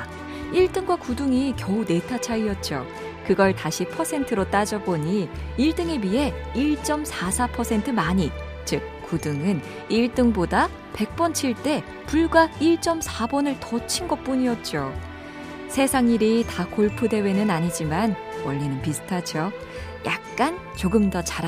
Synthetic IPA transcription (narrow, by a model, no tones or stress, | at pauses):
iɭt͈ɯŋɡwakuduŋikjʌune̞tʰat͡ɕʰaiʌt̚t͡ɕ͈o̰ | kɯɡʌɭtaɕʰipʰʌsʰe̞ntʰɯɾot͈ad͡ʑʌboɲiiɭt͈ɯŋe̞miɦe̞iɭt͡ɕ͈ʌmsʰasʰapʰʌsʰe̞ntʰɯmaɲi | t͡ɕɯk̚k͈ːudɯŋɯn | iɭt͈ɯŋboda | pe̞k̚p͈ʌnt͡ɕʰiɭt͈e̞ | puɭɡwaiɭt͡ɕ͈ʌmsʰabʌnɯɭtʌt͡ɕʰinɡʌp͈uɲiʌt̚t͡ɕ͈o | sʰe̞sʰaŋiɾitakoɭpʰɯde̞we̞nɯnaɲid͡ʑimanwʌɭːenɯnpisʰɯ̥tʰad͡ʑo | jʔak̚k͈an | t͡ɕoɡɯmdʌt͡ɕaɾa